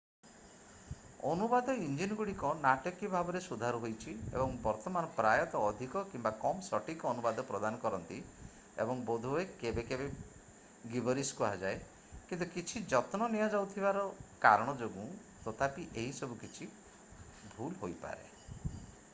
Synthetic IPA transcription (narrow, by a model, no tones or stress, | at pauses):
ɔnubad̪ɔind͡ʒinɡuɽikɔnaʈɔkibʱabɔɾesud̪ʱaɾuɦojt͡ʃʰiḛbɔŋbɔɾt̪ɔmanɔpɾajɔt̪ɔːd̪ʱikɔkimbakɔmsɔʈikɔnubad̪ɔpɾɔd̪anɔkɔɾɔnt̪i | ḛbɔŋbod̪ʱuekebekebe | ɡibɔɾiskuad͡ʒae | kint̪ukit͡ʃʰid͡ʒɔt̪nɔnijad͡ʒawt̪ʰibaɾɔkaɾɔɽ̃ɔd͡ʒoɡũ | t̪ɔt̪ʰapiʔeɦisɔbʱukit͡ʃʰi | bʱulɦojpa̰ɾḛ